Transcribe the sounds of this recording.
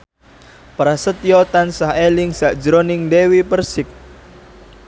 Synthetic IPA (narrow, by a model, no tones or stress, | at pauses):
pɾasət̪jɔt̪ansahelɪŋsaʔd̥d͡ʒɾonɪŋdewipərsɪk̚